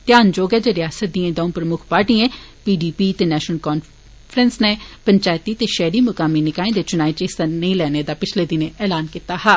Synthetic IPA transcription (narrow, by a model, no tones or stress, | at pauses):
t̪jaːnd͡ʒoːɡɛːd͡ʒeɾɪjaːsət̪̚d̪iẽːd̪ãːpɾəmʊkʰpaːɾʈiẽː | piːɖiːpiːt̪eːnɛːʃnəlkɔːn | fʰɾənsnepəɲt͡ʃaːjt̪iːt̪eːʃɛːɾimʊkaːminɪkaːẽd̪eːt͡ʃʊnaːet͡ʃɪst̪anəĩlɛːned̪aːpɪt͡ʃʰleːd̪ɪnẽɛːlaːnkit̪aːɦaː